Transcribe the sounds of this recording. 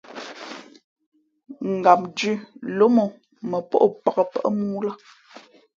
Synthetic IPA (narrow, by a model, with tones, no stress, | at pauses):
ŋ̩˨ɡa˨m̚d͡ʒʉ˦˨lo˦mo˨ | mə˨pɔ̰˦ʔo˨pa˨kə˨pə̰˦ʔmu˦la˦